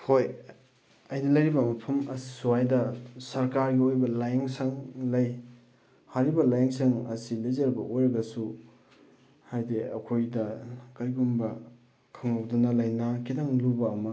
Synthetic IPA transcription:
hoj | ɐjnɐlɐjɾibɐmɐpʰɐmɐsi̥suajdɐsɐɾkaɾɡiojbɐlajeŋsɐŋlɐj | haɾibɐlajeŋsɐŋɐ̰silejzɐɾbɐ̰ʔojɾɐɡɐsu | hajdiɐ̰kʰojdɐkɐɾjɡumbɐ | kʰɐŋawdɐnɐlɐjnakʰidaŋlubɐːmɐ

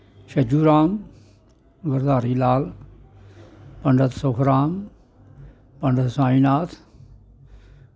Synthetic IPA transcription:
ʃɐd͡ʒuːɾaːm | ɡɐɾd̪aːɾiːlaːl | pɐɳɖət̪soːkɾaːm | pɐɳɖət̪saːinaːt̪ʰ

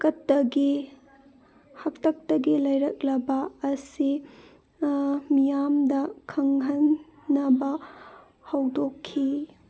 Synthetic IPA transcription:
kɐtːɐɡi | hɐktʰɐk̚tɐɡilɐjɾɐk̚lɐbɐːsi | mijamdɐkʰɐŋɦɐnː | ɐbɐ | hɐwdokʰːi

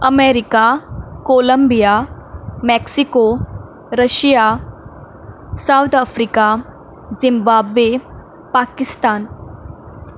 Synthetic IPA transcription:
ɐmeɾikakoːləmbijamɛksiko | ɾəʃija | sawt̪ʰəfɾika | zĩmbaːbʋe | paːkist̪aːn

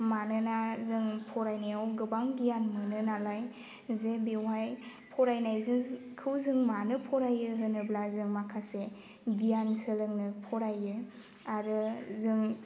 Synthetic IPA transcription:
manɯnazɯŋpʰɔɾajnajawɡɯbaŋɡijanmɯnɯnalaj | zebewaj | pʰɔɾajnajzɯkʰɯwzɯŋmanɯpʰɔɾajɯɦɯnɯblazɯŋmakʰase | ɡijansɯlɯŋnɯpʰɔɾajɯ | aɾɯzɯŋ

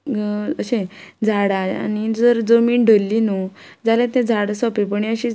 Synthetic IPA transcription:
əɕẽd͡zʱaɽaa̰nid͡zəɾd͡zəmiːɳɖʱəlːinud͡zalẽt̪ẽd͡zʱaɽsɔpepəɳiəɕi

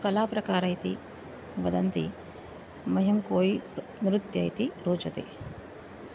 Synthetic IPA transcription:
kɐlaːpɾɐkaːɾɐjt̪ḭ | ʋɐd̪ɐnt̪ḭ | mɐɦɐmkoːji | nɾut̪jɐ̰jt̪iɾuːt͡ʃɐt̪ḭ

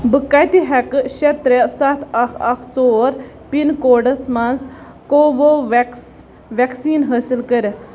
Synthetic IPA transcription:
bɨkːajt̪iɦɛkʃet̪ɾesɐt̪ʰɐkʰɐkʰt͡soːɾ | pinkoːɖɐsmɐnz | koːʋoʋks | ʋɛksiːnɦəːsilkəɾet̪ʰ

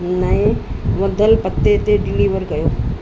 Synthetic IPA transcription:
naẽʋɐd̪ʱəlpət̪ːet̪eɖɪliːʋəɾɡɐjoː

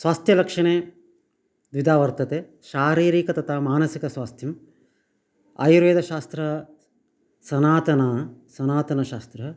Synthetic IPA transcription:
sʋaːst̪ʰjɐlɐkʂɐɳeː | d̪ʋid̪aːʋɐɾt̪ɐt̪e | ʃaːɾiːɾiːkɐt̪ɐt̪ʰaːmaːnɐsikɐsʋaːst̪ʰjɐm | a̰jɾʋeːd̪ɐʃaːst̪ɾɐ | sɐnaːt̪ɐnɐsɐnaːt̪ɐnɐʃaːst̪ɾɐ

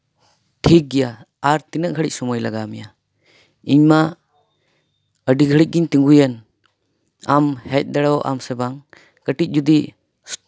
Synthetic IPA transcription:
ʈʰik̚ɡija | aɾt̪inəʔ̚ɡʱəɽic̚sɔmɔjlaɡamija | iɲma | əɖiɡʱəɽic̚ɡiɲt̪iŋɡujan | amhɛc̚ˀd̪aɽawʔa̰msɛbaŋ | kəʈic̚d͡ʒud̪i

